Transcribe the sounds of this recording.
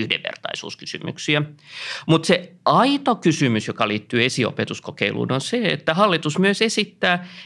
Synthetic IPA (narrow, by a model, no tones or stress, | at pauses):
yhdḛʋːḛrt̪ɑ̰isṵːskysy̰my̰ksiæmut̪seɑit̪okysymysjokɑliːt̪ːyːesio̰pet̪uskokeilṵːnonseḛt̪ːæhɑlːit̪usmyøsesit̪ːæː